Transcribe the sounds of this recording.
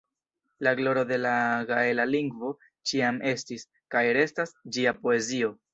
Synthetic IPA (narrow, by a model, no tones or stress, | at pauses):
laɡlo̞ɾo̞de̞laɡae̞laliŋɡvo̞ | t͡ʃiamʔe̞stis | kajɾe̞stasd͡ʒiapo̞e̞zio̞